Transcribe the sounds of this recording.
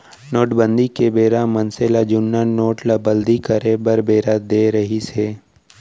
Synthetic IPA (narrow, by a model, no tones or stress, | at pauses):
noːʈbə̃nd̪ikebeːɾamɐnselad͡ʒʊnːanoːʈlabəld̪ikəɾebəɾbeːɾad̪eːɾɐɦiseː